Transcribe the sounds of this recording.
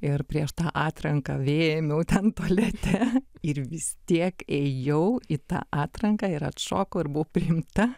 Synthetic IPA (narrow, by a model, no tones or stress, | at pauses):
ɪrpʲɾʲiɛʃt̪ɑːʔɑːt̪ɾɐŋkɐʋʲeːjɛmʲɛʊt̪ʲɛnt̪uɔlʲɛt̪ʲʰɛɪrʋʲɪst̪ʲiɛkɛjɛʊɪt̪ɑ̰ːʔɑːt̪ɾɐŋkɑːɪɾɐ̰t̪ʃoːkoːɪɾbʊʋopʲɾʲɪjɪmt̪ɐ